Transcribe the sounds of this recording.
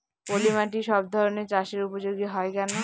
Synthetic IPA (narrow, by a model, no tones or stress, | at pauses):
polimaʈiʃɔb̚d̪ʱɔɾoneɾt͡ɕaʃeɾupod͡ʑoɡiɦɔekɛno